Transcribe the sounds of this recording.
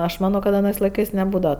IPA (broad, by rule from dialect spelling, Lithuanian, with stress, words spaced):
ɐʃ ˈmɑːnoː kɐt ɐˈnɜs lˠɐɪˈkɜs nʲɛˈbuːdɐʋɐ